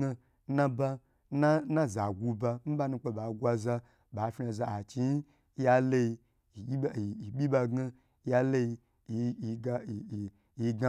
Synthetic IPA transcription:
a˧ | na˦ba˧ | na˦na˦za˨ɡʷu˧ba˧m̩˦ba˦˧nu˧k͡pe˧ba˨ɡʷa˧za˧ | ba˨˦fʲna˧za˧a˨t͡ʃi˦ | a˦le˧i˧˨˦ | ɓʲi˦ba˧ɡa˧˦ | ja˦˧le˦i˧˨˧ | a˦˨ | i˧ɡa˧

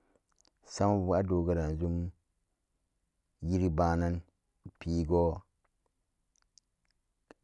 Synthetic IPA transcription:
sa˦ma˦vu˨˦a˦do˨ɡa˦˨ɾa˨n˨zu˦m | ji˦ɾi˦ba˦na˦n | pi˨˦ɡo˦

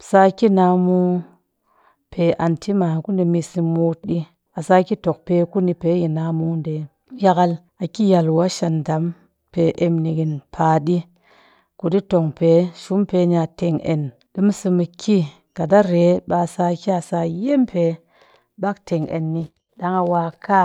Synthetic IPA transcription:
sa˧ki˦na˧mu˧ | pʰe˨ʔa˨ntʰi˦ma˨ku˦di˧mi˧si˧mo˧t̚ɗi˦ | a˨sa˧ki˦to˨k̚pe˧ku˦ni˧pe˨˦ji˨na˨mu˦nde˨˦ | ja˦˧ka˧l | a˨ki˦ja˨lwa˦ʃa˨nda˨˦m | pe˨ʔe˧mni˧ɡi˨npʰa˨ɗi˦ | ku˨di˦to˨ŋpe˨ʃu˦mpe˨˦ɲa˧te˨ŋḛ˨n | ɗi˦m˦sɨ˧mɨ˧kʰi˦ | ka˨da˦ɾe˨˦ɓa˧sa˧ki˦a˨sa˧je˦mpʰe˨˦ | ɓa˦ktʰe˨ŋḛ˨nːi˧ | da˦ŋa˧wa˧kʰa˦

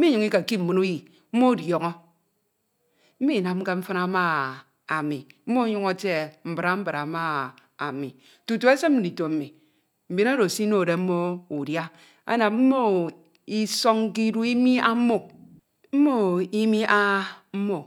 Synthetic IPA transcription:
m̩˦i˦ɲɨ˨ŋ˦i˦ka˨ki˦m̩˨mu˨nu˦ji˨ | m̩˦mo˦˨djo˨ŋɔ˦ | m̩˦mi˦˨na˨m̩˦ka˦m̩˦fɨ˦na˦ma˦ | a˨mi˨m̩˦mo˦ɲu˦ŋo˦te˦˨m̩˨bɨ˨ɾa˨m̩˦bɨ˨ɾa˨ma˦ | a˨mi˨ | tu˨tu˨e˦se˦m̚˦m̩˦di˨to˨m̩˨mi˨ | m̩˨be˨˦na˦ɾo˨si˦no˦˨de˨m̩˦mo˦u˨dja˦ | a̰˦na˨mm̩˦mo˦ | i˦so˦ŋ˦ki˦du˦i˦mi˦a˦m̩˦mo˦ | m̩˦mo˦i˦mi˦ʔa˦m̩˦mo˦

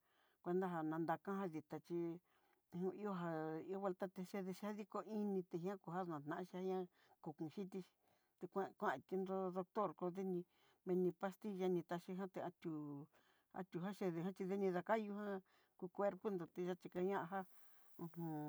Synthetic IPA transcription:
kʷe˧nd̪a˦ɦa˧nã˧nd̪a˧kã˦ɦa˦ði˨t̪a˨t͡ʃi˧ | hũ˧i˦o˦˧ɦa˧i˧o˦βe˧lt̪a˦t̪e˧ʃe˧ðe˧ʃi˧a˦ði˦ko˧i˦nĩ˧t̪e˧ɦĩ˦ã˦ku˧ɦa˦˧nã˨t̪nã˨ʔʃi˧hã˦ã˦ | ku˨kũ˨ʃi˦t̪i˧ʃi̥˧ | t̪e˧kʷã˦˧kʷã˦˧˨t̪i˧nd̪o˧ðo˧kt̪o˦˨ɾko˧ðe˦nĩ˧ | mẽ˧nĩ˧pa˧st̪i˧ʒa˧nĩ˧t̪a˧ʃi˧ɦã˦t̪e˧a˧t̪ʲu˧˨ | a̰˧t̪ʲu˨a˦ʃe˧ðe˧˨ɦã˦t͡ʃi˧ðe˦nĩ˧ða˧ka˦ju˧ɦã˦ | ku˧kʷe˧ɾpo˦nd̪o˨t̪e˧ʒa˦t͡ʃi˧ka˧ɲã˦ʔa˧ɦa˦ | ũ˧hũ˧

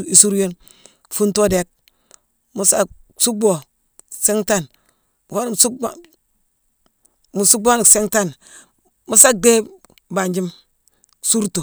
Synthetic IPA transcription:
i˦su˦ɾjo˦n | fu˦nto˦de˦k̚ | mu˦sa˦su˦ɡ͡bo˨ | se˦ŋta˦˨n | mu˨fa˦n˨mu˨su˦˨ | mu˨su˦ɡ͡bo˦ni˨se˦ŋta˦˨n | mu˦sa˦k̚de˦ | ba˨nd͡ʒi˦m˨ | su˦ɾtu˨

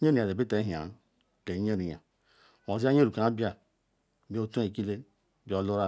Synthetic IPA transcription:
ɲ˦e˦ni˨a˨de˨bi˦te˨˦ɦa̰˨˦ | le˨˦ɲe˦ni˨ja̰˨ | m˨o˨zi˦a˦ɲ˦e˦ɾu˨ka˨˦bja˦˨ | bi˦o˦tu˦e˨ki˦le˦˨ | bi˦o˦lu˦ɾa˦

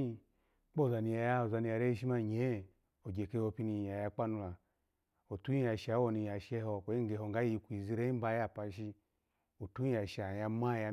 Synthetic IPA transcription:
k͡po˦˨za˨ni˧ja˨ja˦o˨za˧ni˧ja˨ɾe˦ʃ̬i˦ma˦˨ɲe˨˦˨ | o˨ɡe˨ke˧˦o˧pi˧˦ni˧˨ja˨ja˧k͡pa˦nu˧la˨ | o˨tu˦i˦ja˨ʃa˨˦wo˦˨ni˧ja˨ʃe˦ɦo˧ko˨i˦ŋ˦ɡe˨ɦo˨ŋ˨ɡa˦i˧kʷi˨zi˦ɾe˦i˦ba˧˦ja˦˨pa˧ʃ̬i˦ | o˨tu˦i˦ja˨ʃa˨ja˧ma˦˨ja˧

